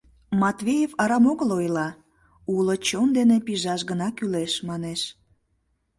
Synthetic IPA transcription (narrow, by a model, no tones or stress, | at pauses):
mɑt̪βʲejevɑɾɑmoɣəlojlɑ | ulot͡ɕond̪enepiʒɑʃɣənɑkyleʃmɑneʃ